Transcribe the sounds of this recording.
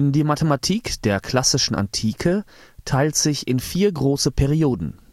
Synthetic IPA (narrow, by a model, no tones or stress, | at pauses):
diːmatʰəmatʰiːkd̥eːɐkʰl̥asɪʃn̩ʔa̰ntʰiːkʰə | tʰaɪltz̥ɪçɪnfiːɐɡʁoːsəpʰɛʁioːdn̩